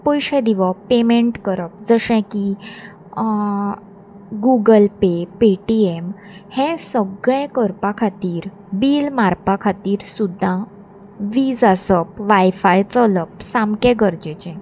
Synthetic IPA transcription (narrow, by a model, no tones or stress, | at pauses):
pɔjɕɛ̃d̪iʋəpemeɳʈkəɾəp̚d͡zəɕɛ̃ki | ɡuɡəlpepeʈiem | hɛ̃səɡɭɛ̃kəɾpãkʰat̪iːɾ | biːlmaɾpãkʰat̪iːɾsud̪ʱːã | ʋiːd͡zasəp̚ʋajfajt͡sələp̚samkɛ̃ɡəɾd͡ʑet͡ɕɛ̃